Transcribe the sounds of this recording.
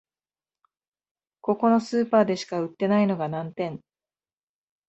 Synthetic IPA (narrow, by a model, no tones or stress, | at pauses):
ko̞ko̞no̞sɨːpaːd̪e̞ɕi̥kaɯ̟t̪ːe̞naino̞ɡanãnt̪ẽ̞ɴ